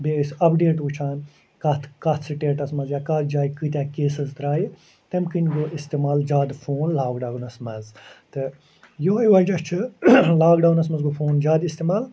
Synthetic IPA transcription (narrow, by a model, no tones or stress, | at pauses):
beːsɐpɖeːʈut͡ʃʰaːn | kɐt̪ʰkɐt̪ʰsiʈeːʈɐsmɐzjaːkɐt̪ʰd͡ʒaːikɨt̪ʲaːkeːsɐzd̪ɾaːi | t̪emkɨnɡoʔist̪eːmaːld͡ʒaːd̪fʰoːnlaːɡɖaːwnɐsmɐzt̪e | joːiʋɐd͡ʒɐt͡ʃʰɨlaːɡɖaːwnɐsmɐzɡofʰoːnd͡ʒaːd̪ist̪eːmaːl